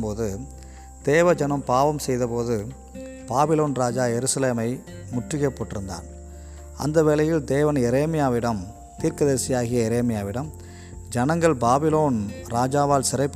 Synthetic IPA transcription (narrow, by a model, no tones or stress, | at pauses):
poːðɯ | d̪̥eːʋɐd͡ʒɐnɐmpaːʋɐmsɛjðɐpoːðɯ | b̥aːbɪloːnɾaːd͡ʒaːjɛɾɯsɐleːmɐɪ | mʊʈrɪɣɐpːoːʈːɪɾɯnd̪a̰ːn | ɐ̰nd̪ɐʋɛlɐjɪld̪eːʋɐnjɛɾeːmɪjaːʋɪɽɐm | t̪iːɾkɐðeːsɪjaːɣɪjɐɛɾeːmɪjaːʋɪɽɐm | d͡ʒɐnɐŋɡɐɭbaːbɪloːnɾaːd͡ʒaːʋaːlsɪɾɐɪpː